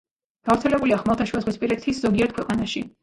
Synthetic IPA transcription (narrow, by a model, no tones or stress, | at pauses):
ɡ̥avɾt̪sʰɛlɛbuliaχmalˠt̪ʰaʃuwɛzʁwispʼiɾɛt̪ʰisz̥ɔɡiɛɾt̪̚kʰwɛqʼanaʃi